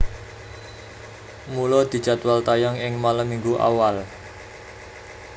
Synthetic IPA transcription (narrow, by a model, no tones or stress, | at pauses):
mulɔd̪̥i̤̥d͡ʒ̥at̪walt̪ajaŋɪŋmaləmiŋɡuʔa̰wal